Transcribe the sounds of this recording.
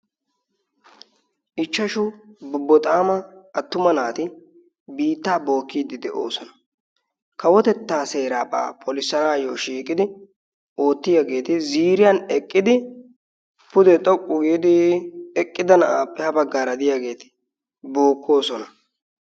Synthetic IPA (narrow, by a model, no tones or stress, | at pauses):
ʔɪt͡ʃːɐʃʊbʊbːɔt̪ʼaːmɐɐt̪ːʊmɐnaːt̪ɪ | biːt̪ːaːbo̞ːkːiːd̪ɪd̪ɛʔo̞̰ːsɔnɐ̥ | kɐwɔt̪ɛt̪ːaːse̞ːɾaːpʼa̰ːpʰɔlɪsːɐnaːjoʃiːkʼɪd̪ɪ | o̞ːt̪ːɪjaːɡe̞ːt̪ɪziːɾɪjɐnɛkʼːɪd̪ɪ | pʊd̪ɛt̪ʼɔkʼːʊɡiːd̪ɪɛkʼːɪd̪ɐnɐʔaːpːɛhɐbɐɡːaːɾɐd̪ɪjaɡe̞ːt̪ɪ̥ | bo̞ːkːo̞ːsɔnɐ